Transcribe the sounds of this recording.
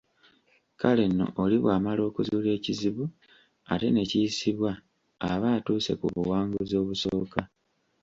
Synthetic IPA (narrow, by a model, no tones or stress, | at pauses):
kale̞nːo̞̰ʔoliβwaːmalo̞ːkuzuːle̞ːciziβu | a̰te̞ne̞ciisiβwa | aβaːtuːse̞̰kuβuwaːŋɡuzo̞ːβusoːka